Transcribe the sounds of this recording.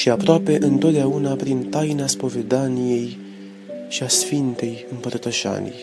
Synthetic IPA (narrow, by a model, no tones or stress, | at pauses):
ʃiapɾoape̞ʔɨnt̪ot̪̚d̪eaunapɾint̪ajnaspo̞ve̞d̪anije̞j | ʃiasfint̪e̞jɨmpərt̪əʃa̰nʲḭ